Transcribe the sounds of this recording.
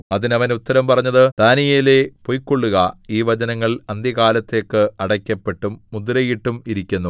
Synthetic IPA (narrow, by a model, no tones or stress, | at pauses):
ɐðinɐʋɐnut̪ːɐɾɐmpɐrɐɲːɐðɨt̪aːnijele̞po̞jkːo̞ɭːuɣɐiːʋɐd͡ʑɐnɐŋːɐɭɐnd̪jɐkaːlɐt̪ːe̞ːkːɨɐɽɐkʲːɐpːe̞ʈːumːud̪uɾɐjiʈːumiɾikʲːunːu